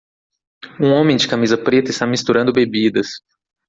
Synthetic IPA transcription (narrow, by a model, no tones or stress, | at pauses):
ũõmẽj̃d͡ʒɪkamizɐpɾet̪ɐɪst̪amist̪uɾɐ̃nd̪ʊbebid̪ɐs